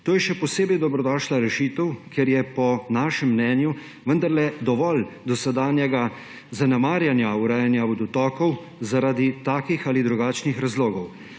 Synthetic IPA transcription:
t̪oːjɛʃɛpɔseːbɛjd̪ɔbɾɔd̪ɔːʃlaɾɛʃiːt̪əwkʰeɾjɛpɔnaːʃɛmːnɛːnju | ʋənd̪aɾlɛd̪ɔʋɔld̪ɔsɛd̪aːnjɛɡa | zanɛmaːɾjanjauɾaːjanjaɔd̪ut̪ɔːkɔw | zaɾad̪it̪aːkixaːlid̪ɾuɡaːt͡ʃnixɾazloːɡɔw

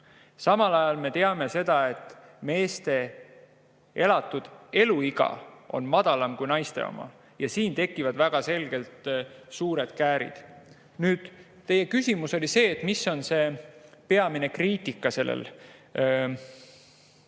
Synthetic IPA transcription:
sɑmɑlɑjɑlme̞t̪e̞ɑme̞se̞d̪̥ɑe̞t̪ːˑme̞ːst̪e̞ | e̞lɑt̪ːˑud̪̥e̞luiɡɑ̰o̞̰nmɑd̪̥ɑlɑmkujnɑjst̪e̞̰o̰mɑ̰ | jɑsiːnt̪e̞kːˑivɑd̪væɡ̥ɑse̞lɡ̥e̞lt̪suːɾe̞d̪̥kæːɾḭd̪̥ | nyːd̪̥ | t̪ːe̞je̞kysimuso̞lʲise̞ːt̪ːˑmisːo̞nse̞pe̞ɑmine̞kriːt̪ikːˑɑse̞lːḛl

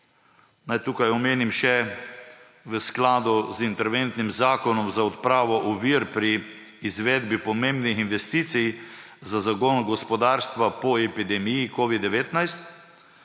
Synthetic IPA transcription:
najt̪uːkajɔmeːnimʃɛ | ʋəsklaːd̪uzint̪ɛɾʋent̪nimzaːkɔnɔmzaɔt̪pɾaːʋɔʔɔʋiɾpɾiː | zʋɛd̪bipɔmembnixinʋɛst̪iːt̪sijzazaɡoːnɡɔspɔd̪aːɾst̪ʋapɔɛpid̪ɛmijikoːʋid̪ɛʋeːt̪najst̪

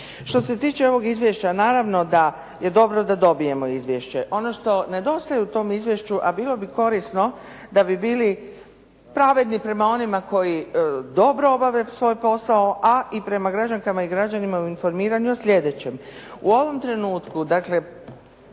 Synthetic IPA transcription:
ʃt̪o̞se̞t̪iːt͡ʃe̞o̞ʋo̞ɡizʋjeʃt͡ɕanaːɾaʋno̞d̪a | je̞d̪o̞bɾo̞d̪ad̪o̞bije̞mo̞izʋje̞ʃt͡ɕe̞ʔo̞no̞ʃt̪o̞ne̞d̪o̞st̪ajuut̪o̞ːmizʋje̞ʃt͡ɕuʔabiːlo̞biko̞ɾisno̞d̪abibiːli | pɾaʋe̞d̪nipɾe̞mao̞nimako̞jid̪o̞bɾoobaʋe̞sʋo̞jpo̞saoʔaʔipɾe̞maɡɾad͡ʒaŋkamaiɡɾad͡ʑanimauinfo̞ɾmiːɾaɲuasʎʲe̞d̪et͡ɕe̞muo̞ʋo̞mt̪ɾe̞nuːt̪kud̪akle̞

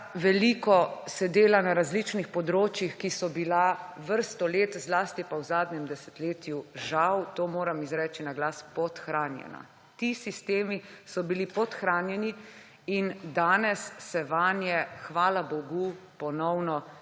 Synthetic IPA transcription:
ʋɛlikɔsɛd̪eːlanaɾazlit͡ʃnixpɔd̪ɾoːt͡ʃjixkisɔbila | ʋəɾst̪ɔleːt̪zlaːst̪ipawzaːd̪ɲɛmd̪ɛsɛ̥t̪leːt̪juʒawt̪oːmoːɾamizɾɛːt͡ʃinaɡlaːspɔt̪xɾaːnjɛ̰na̰ | t̪isist̪eːmisɔbilipɔt̪xɾaːnjɛni | ind̪aːnɛsːɛʋanjɛxʋaːlabɔɡupɔnɔwnɔ

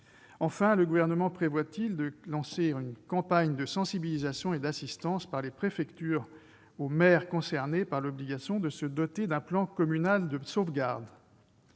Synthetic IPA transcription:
ɑ̃fɛ̃ləɡuvɛʁnəmɑ̃pχevwat̪ild̪əlɑ̃seynkɑ̃paɲd̪əsɑ̃sibilizasjɔ̃ed̪asist̪ɑ̃spaʁlepχefɛkt̪yːʁ | omɛʁkɔ̃sɛʁnepaʁlɔbliɡasjɔ̃d̪əsəd̪ɔt̪ed̪ɛ̃plɑ̃kɔmynald̪əsovɡaʁd̪

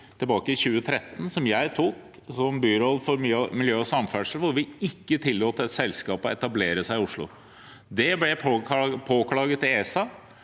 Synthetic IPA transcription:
t̪ʰɪlbɑːkəɪçʉːət̪ʰɾɛt̪ːnsɔmjæɪt̪ʰuːk | sɔmbyːɾɔlfɔɾmmɪljøːɔsɑmfæɖʂəlʋʊɾʋɪɪkːət̪ʰɪlːoːt̪əɛt̪sɛlskɑːpɔɛt̪ɑbleːɾəsæɪɪʊʂɭʊ̰ | d̪ɛblɛpʰoːkʰlɑːɡət̪ːɪeːsɑ

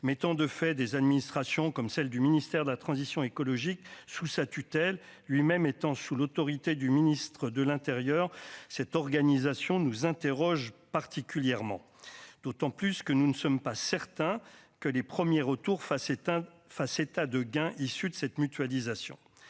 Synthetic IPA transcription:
mɛt̪ɑ̃d̪əfɛd̪ezad̪minist̪χasjɔ̃kɔmsɛld̪yminist̪ɛʁd̪əlat̪χɑ̃zisjɔ̃ekɔlɔʒiksusat̪yt̪ɛlː | ɥimɛmet̪ɑ̃sulot̪ɔʁit̪ed̪yminist̪χəd̪əlɛ̃t̪eʁjœʁsɛt̪ɔʁɡanizasjɔ̃nuzɛ̃t̪eʁɔʒpaʁt̪ikʲyljɛʁmɑ̰̃ | d̪̥ot̪ɑ̃plyskənunəsɔmpasɛʁt̪ɛ̃kəlepχəmjeʁət̪uʁf | faset̪ad̪əɡɛ̃ʔisyd̪əsɛt̪myt̪ɥalizasjɔ̰̃

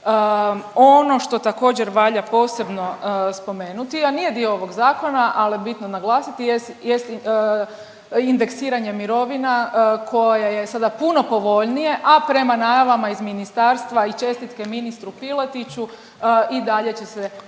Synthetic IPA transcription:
o̞no̞ʃt̪o̞t̪ako̞ːd͡ʑeɾʋaʎapo̞ːse̞bno̞spo̞me̞ːnut̪ianije̞d̪io̞oʋo̞ɡzaːko̞naʔalibit̪nonaɡlˠaːsit̪ijes | jest̪i | ind̪e̞ksiːɾaɲe̞miɾo̞ʋinakʰo̞jaje̞sad̪apuno̞po̞ʋo̞ʎnije̞ʔapɾe̞manaːjaʋamaizminist̪aːɾst̪ʋait͡ʃe̞st̪it̪ke̞minist̪ɾupilˠat̪it͡ɕu | id̪aʎe̞t͡ɕe̞se

